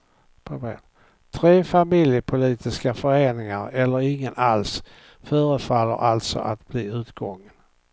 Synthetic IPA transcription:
pʰabḛːn | t̪ʰɾeːfamɪljəpʰʊliːt̪ɪskafœɾeːnɪŋaɾɛlːəɾɪŋːənals | fœːɾəfalːə̰ɾʔalt̪sɔ̰ʔat̪b̥liːʉ̟ːt̪ɡɔŋːən

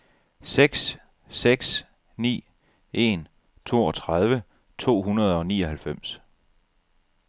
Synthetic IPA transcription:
seɡ̥sː | eɡ̥s | nḭː | ʔe̝n | t͡sʰo̝̰ːɒ̽t͡sʰʁað̞ˠʋə | t͡sʰo̝̰ːɦunɐð̞ˠɒ̽niːɒ̽ɦælfem̰s

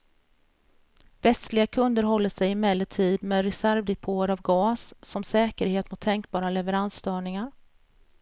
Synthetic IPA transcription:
vɛst̪lɪɡakʰɵnd̪əɾɦɔlːəʂɛjɪmɛlːəʈʰiːd̪mɛːd̪ɾɛsæɾvd̪ɛpʰoːəɾavɡɑːsːɔmsɛːkəɾheːt̪mʊt̪ʰːɛŋk̚bɑːɾalɛvəɾansːt̪œːɳɪŋaɾ

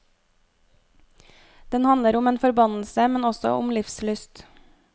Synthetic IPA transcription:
d̪̥ɛnhɑnləɾʊmeːnfɔɾbɑnl̩səmɛnɔsɔ̰ʔʊmlɪfslʏst̪

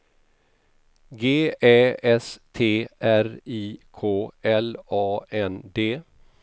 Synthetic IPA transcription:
ɡeːɛːɛst̪ʰeːʔæɾiːkʰoːɛlɑːɛnd̪eː

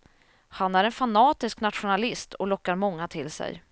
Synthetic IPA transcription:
hanæɾɛnfanɑːt̪ɪsknat̪ɧʊnalɪst̪ʰɔlɔkːaɾmɔŋːat̪ʰɪlsɛ̰j

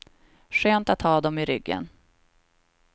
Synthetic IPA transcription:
ɧøːnt̪at̪ʰhɑːd̪ɔmɪɾʏɡːə̰n

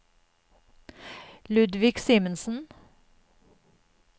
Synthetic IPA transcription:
lʉd̪ʋɪksiːmənsn̩

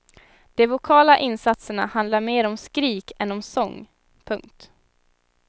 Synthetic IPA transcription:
d̪̥ɛvʊkʰɑːlaʔɪnsat̪səɳahand̪laɾmeːɾɔmskɾiːkɛnɔmsɔŋː | pʰɵŋk̚t̪

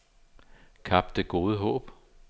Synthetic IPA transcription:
kʰɑ̈b̥̚d̥əɡ̥o̝ːð̞ˠəɦɔ̰̽ːb̥

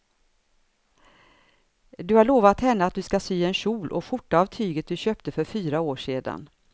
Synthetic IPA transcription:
d̪ɵhaɭoːvat̪hɛnːat̪̚d̪ɵskasyːɛnɕuːlʔɔ̰ɧʊʈːaavt̪ʰyːɡət̪̚d̪ɵɕøːpt̪əfœɾfyːɾaoːʂeːd̪a̰n

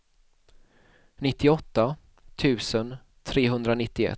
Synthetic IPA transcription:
nɪt̪ʰːɪɔt̪ːa | t̪ʰʉ̟ːsən | t̪ʰɾeːɦɵnd̪ɾanɪt̪ːɪɛ̰

